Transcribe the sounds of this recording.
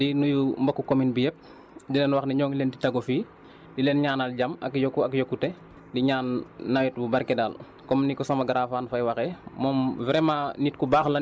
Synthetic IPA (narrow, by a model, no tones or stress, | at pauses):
dinujumbɐkːukominbijɛp̚ | dilɛnwɐxnɛɲɔːŋleːntitɐɡɔfiː | dileːnɲaːnalɟamɐkjɔkːuɐkjɔkːutɛ | diɲaːnːawɛt̚bubɐɾkɛdaːl | kɔmnikɔsɐmɐɡaɾaːfaːnfɐjwɐxɛmɔmvɾɛmanit̚kubaːxlɐ